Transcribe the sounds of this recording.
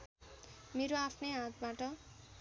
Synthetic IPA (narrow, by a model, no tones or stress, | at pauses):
meɾoapʰnʌjɦãt̪̚baʈʌ